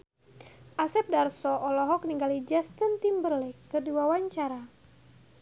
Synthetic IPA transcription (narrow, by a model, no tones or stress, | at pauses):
ʔasɛp̚darsɔʔɔlɔɦɔk̚niŋɡalid͡ʒast̪ənt̪imbərlɛkːərdiwawaɲt͡ʃaɾa